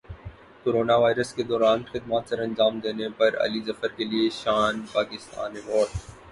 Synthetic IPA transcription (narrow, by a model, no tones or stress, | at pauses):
koɾoːnaʋaːɪɾəsked̪ɔːɾaːnxɪd̪maːt̪sɐɾɐ̃nd͡ʒaːmd̪eːnepɐɾɐ̰lizɐfəɾkelieʃaːnpaːkɪst̪a̰ːnẽbɔːt̪